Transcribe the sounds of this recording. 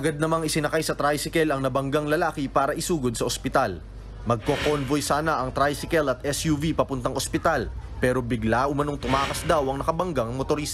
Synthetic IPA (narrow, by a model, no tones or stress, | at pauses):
ʔɐɡad̪̚nɐmaŋɪsɪnɐkajsɐt̪ɾajsɪkɛlɐŋnɐbɐŋɡaŋlɐlaːkɪpaːɾɐʔɪsuːɡod̪̚sɐʔospɪt̪al | mɐɡ̚kokonvojsaːnɐʔɐŋt̪ɾajsɪkɛlɐt̪̚ʔɛsjuvipɐpʊnt̪ɐŋʔospɪt̪alpɛːɾo̞bɪɡlaʊmɐno̞ŋt̪ʊmaːkɐsd̪awɐŋnɐkɐbɐŋɡaɐŋmot̪oɾiːst̪ɐ